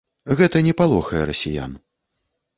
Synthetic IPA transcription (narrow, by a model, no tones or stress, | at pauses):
ɣɛt̪ɐnʲɛpalˠɔxɐjɛɾɐsʲija̰n